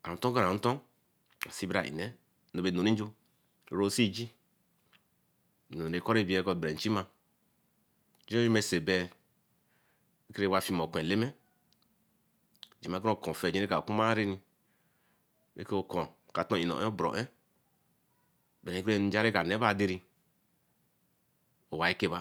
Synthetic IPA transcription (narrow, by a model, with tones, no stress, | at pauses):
a˨a˨tõ˦ɡa˦ɾa˨˦to˦ | a˨si˦bɾa̰˨ʔḭ˨nɛ˦ | no˨be˨no˨ɾi˦n˦d͡ʒo˦˨ | ɾo˦si˦d͡ʒi˦˨ | no˨ɾe˨ko˦ɾe˦˨bi˦e˦ko˦˨bɛ˨n̩˨t͡ʃi˦ma˦ | d͡ʒi˦ji˦me˦˨se˨bɛ˦ | e˦ke˦ɾe˦˨wa˦˨fi˦mo˨kʷẽ˨le˦mɛ˦˨ | d͡ʒi˨ma˨˦kɾo˦˨kɔ̃˨fɛ˨d͡ʒe˦ka˨ku˦ma˦ɾe˦ni˦ | bḛ˦ko˦˨kɔ˨ka˨tõ˦˨i˨no̰˨ʔe˦o˦bɾo̰˨ʔɛ˦˨ | be˨ke˦˨n˦d͡ʒa˦ɾe˦ka˨ne˦ba˦˨de˦ɾi˦ | o˨wa˨i˦ke˦ba˦